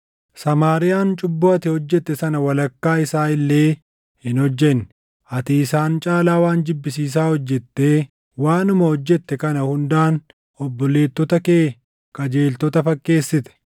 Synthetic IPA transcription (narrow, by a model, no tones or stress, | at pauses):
sɐmaːɾɪjaːnt͡ʃʼʊbːʊɐt̪ɪhɔd͡ʒːɛt̪ːɛsɐnɐwɐlɐkːaːɪsaːɪlːe̞ː | hɪnhɔd͡ʒːɛn | ɐt̪iɪsaːnt͡ʃʼaːlaːwaːnd͡ʒɪbːɪsiːs̬aːhɔd͡ʒːɛt̪ːe̞ː | waːnʊmɐhɔd͡ʒːɛt̪ːɛkɐnɐhʊnd̪aːn | ɔbːɔle̞ːt̪ːɔt̪ɐke̞ː | kʼɐd͡ʒe̞ːlt̪ɔt̪ɐfɐkːe̞ːsːɪt̪ɛ̥